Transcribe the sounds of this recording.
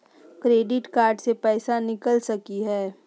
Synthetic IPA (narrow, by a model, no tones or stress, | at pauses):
kɾeːɖɪʈkaːɾɖsepɛːsanɪkəlsɐkiɦɛː